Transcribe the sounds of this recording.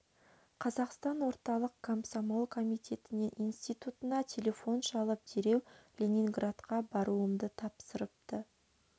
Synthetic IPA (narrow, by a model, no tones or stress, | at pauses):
qʰɑzɑqst̪ɑnwo̞ɾt̪ɑlˠəq̚kʰomsamo̞lˠkʰo̞mijt̪ʲʰe̞t̪ɪne̞nʔinst̪ijt̪ut̪ənɑt̪ʲʰe̞lʲe̞fo̞nʃɑlˠəp̚d̪eɾe̞wlʲenʲiŋɡrat̪qɑbɑɾuəmd̪ət̪ʰɑpsəɾəp̚t̪ə